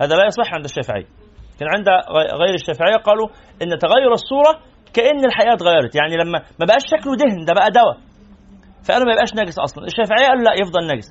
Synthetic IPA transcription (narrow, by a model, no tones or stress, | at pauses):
hæːðælæjɑsˤeħːʕend̪æʃːæːfeʕḛjːæ | kæːnʕend̪æɣæjːɾeʃːæːfeʕejːæqɑːlu | ʔenːt̪æɣæjːoɾˤesˤːuːɾˤɑ | kæʔenːelħaʔæːt̪ɣæjːɑɾˤɑt̪jaʕnilæmːæmæbæʔæːʃːæklod̪ehnd̪æbæʔæd̪æwæ | fæʔænæmæjebʔæːʃnæːɡesʔɑ̰sˤlɑneʃːæːfeʕejːæʔæːlːulæʔjefd̪ˤɑlnæːɡes